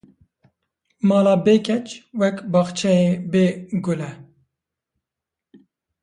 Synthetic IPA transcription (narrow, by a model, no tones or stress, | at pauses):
mɑːlɑːbeːkɛt͡ʃwɛkbɑːxt͡ʃʰɛeːbeːɡʊlɛ